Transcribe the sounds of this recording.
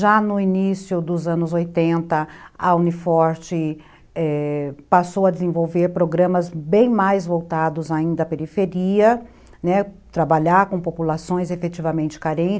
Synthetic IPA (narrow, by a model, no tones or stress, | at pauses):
ʒanʊinisjʊd̪ʊzɐ̃nʊzojt̪ẽnt̪ɐɐũnifɔɾt͡ʃɪ | ɛpasowɐd͡ʒ̪ɪzẽvowveɾpɾoɡɾɐ̃mɐzbẽj̃majzvowt̪ad̪ʊzaĩnd̪ɐɐpeɾifeɾiɐ | nɛ | t̪ɾabaʎaɾkõpopulasõj̃zefet͡ʃivɐmẽnt͡ʃɪ̥kaɾẽnt͡ʃ